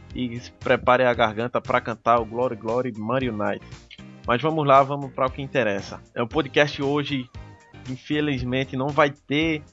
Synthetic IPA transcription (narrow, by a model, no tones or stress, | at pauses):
ɪspɾɛpaɾẽaɡaɦɡɐ̃nt̪ɐpɾʔɐkɐ̃nt̪aɾʊɡlɔɾiɡlɔɾimaɾiunajt̪ɪ̥mɐzvɐ̃mʊzlavɐ̃mʊʃpɾɐʊkɪĩt̪ɛɾɛsɐɛʊpod̪ikɛʃt̪ɪoʒɪĩfelizmẽt̪ɪnɐ̃w̃vajt̪e